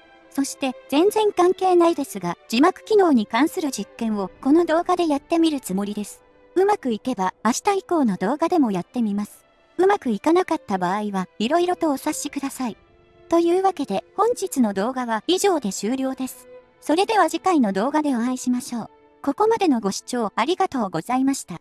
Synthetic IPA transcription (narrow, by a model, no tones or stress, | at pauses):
so̞ɕi̥t̪e̞z̥ẽ̞nd͡zẽ̞ŋkãŋke̞ːnaid̪e̞sɨɡad͡ʑimakɯ̟̥kʲino̞ːɲ̟ikãɰ̃sɨɾɯ̟d͡ʑikːẽ̞ɰ̃o̞ko̞no̞d̪o̞ːɡad̪e̞jat̪ːe̞mʲiɾɯ̟t͡sɨmo̞ɾʲid̪e̞sɨ̥ | ɯ̟makɯ̟ike̞baːɕi̥t̪aiko̞ːno̞d̪o̞ːɡad̪e̞mo̞jat̪ːe̞mʲimasɨ̥ | ɯ̟makɯ̟ikanakat̪ːabaːiβaiɾo̞iɾo̞t̪o̞ːsaɕikɯ̟d̪asai | t̪o̞jɯ̟ːβake̞d̪e̞hõ̞ɲ̟d͡ʑit͡sɨno̞d̪o̞ːɡaβaiʑo̞ːd̪e̞ɕɨːɾʲo̞ːd̪e̞sɨ̥ | so̞ɾe̞d̪e̞β̞aʑikaino̞d̪o̞ːɡad̪e̞oãiɕimaɕo̞ː | ko̞ko̞mad̪e̞no̞ɡo̞ɕi̥t͡ɕo̞ːaɾʲiɡat̪o̞ːɡo̞z̥aimaɕi̥t̪a